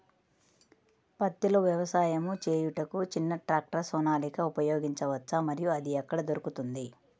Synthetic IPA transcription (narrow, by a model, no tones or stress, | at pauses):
pɐt̪ːiloʋjɐʋɐsaːjɐmut͡ʃeːjuʈɐkut͡ʃinːɐʈɾaːk̚ʈɐɾsɔːnaːlikɐupɐjo̞ːɡiɲt͡ʃɐʋɐt͡ʃːɐmɐɾijuɐd̪iɐkːɐɽɐd̪oɾukut̪und̪i